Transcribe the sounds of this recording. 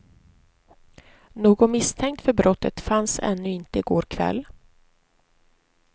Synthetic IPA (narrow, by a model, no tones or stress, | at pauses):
noːɡɔmɪst̪ʰɛŋk̚t̪fœɾbɾʔɔt̪ʰːət̪fansɛ̰nːɵɪnt̪əɪɡoːɾkʰvɛ̰lː